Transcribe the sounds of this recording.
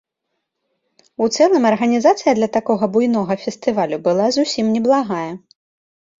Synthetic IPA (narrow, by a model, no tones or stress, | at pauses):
ut̪sɛlˠɨmɐrɣɐnʲizat̪sɨjɐd̪lʲɐt̪akɔɣɐbujnɔɣɐfʲɛst̪ɨvalʲubɨlˠazusʲimnʲɛblˠaɣajɛ